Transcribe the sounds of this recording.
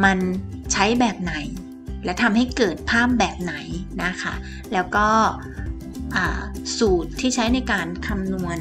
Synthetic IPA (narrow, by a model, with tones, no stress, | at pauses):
ma˧nt͡ɕʰa˦˥jbɛː˨˩p̚na˨˩˦j | lɛ˦˥wt̪ʰa˧mha˥˩jkɤː˨˩t̪̚pʰaː˥˩p̚bɛː˨˩p̚na˩˦jna˦˥kʰa̰˦˥˩ | lɛː˦˥wkɔː˥˩ | ʔaː˨˩suː˨˩t̪ʰːiː˥˩t͡ɕʰa˦˥jna˧jkaː˧nkʰa˧mnu˧ən